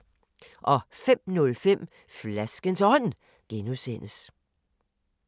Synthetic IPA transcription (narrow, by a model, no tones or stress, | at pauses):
ʔɒ̽fem̰nɔ̽lfem̰ | flæsɡ̥ənsɒ̽n̰ | ɡ̥enusen̰əs